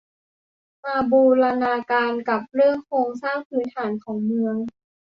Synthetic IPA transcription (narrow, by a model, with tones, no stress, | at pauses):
maː˧buː˧ɾa˧naː˧kaː˧nka˨˩p̚ɾɯ˥˩əŋkʰɾoː˧ŋsaː˥˩ŋpʰɯː˩˦nt̪ʰaː˩˦nkʰɔː˩˦ŋmɯ˧əŋ